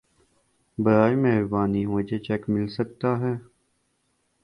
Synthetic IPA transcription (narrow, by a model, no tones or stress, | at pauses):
bɐɾaːjmɛɦɾbaːniɦoːd͡ʒet͡ʃɛkmɪlsək̚t̪aɦɛː